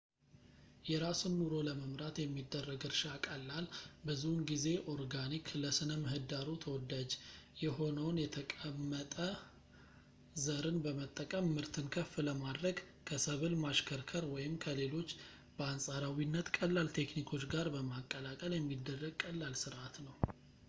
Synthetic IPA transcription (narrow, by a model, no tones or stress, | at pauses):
jɛɾasunːuɾo̞ləməmɾat̪jɛmːid̪ːərːəɡɨɾʃakʼəlːalbɨzunɡize̞ʔo̞ɾɡanikʰləsɨnəmɨɦɨd̪aɾut̪ʰəwɔd̪ad͡ʒjɛɦo̞nəwnjɛt̪ʰəkʼəmːət̪ʼə | zəɾɨnbəmət̪ʼːəkʼəmːɨɾt̪ʰɨnkʰəfləmad̪ɾəɡ | kʰəsəβɨlmaʃkʰəɾkʰəɾwɔjɪmkʰəle̞lo̞t͡ʃː | b̥əansʼaɾawinːət̪kʼəlːalt̪ʰe̞knikʰo̞t͡ʃːɡaɾbəmakʼːəlakʼəljɛmːid̪ːərːəɡ̚kʼəlːalsɨɾʔat̪nəw